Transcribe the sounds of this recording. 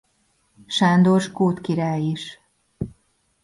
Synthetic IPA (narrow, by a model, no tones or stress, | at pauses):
ʃand̪oʃkoːt̪kiɾaːjiʃ